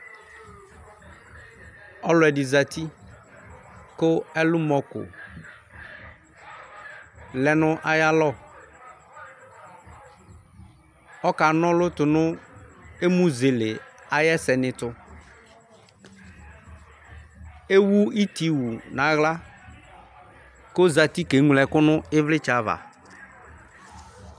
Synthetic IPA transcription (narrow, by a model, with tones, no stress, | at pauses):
ɔ˦lʊ˨ɛ˨dɪ˨za˨t̪i˦ | kʊ˦ɛ˦lʊ˦mɔ˨kʊ̰˨ | lɛ˨nʊ̃˦ʔa˦ja˦lɔ˦ | ɔ˦ka˨nɔ̃˦lʊ˦tʊ˨nʊ̃˦ | e˦mũ˦ze˨lɪ˨a˨jɛ˦sɛ˨nɪ̃˨tʊ˨ | e˦wu˦i˦ti˨wu˨nã˨˦ɣla˦ | ko˦za˨ti˦ke˨˦ŋʷ˨lɛ˨kʊ˦nʊ˦ɪ˦vlɪ˦t͡ʃa˨˦va̰˨